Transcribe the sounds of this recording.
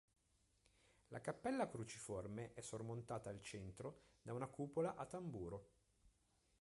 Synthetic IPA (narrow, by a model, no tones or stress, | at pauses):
lakapːɛlːakɾut͡ʃiformeʔɛsːormont̪aːt̪aalt͡ʃɛnt̪ɾod̪aunakuːpolaʔat̪ːambuːɾo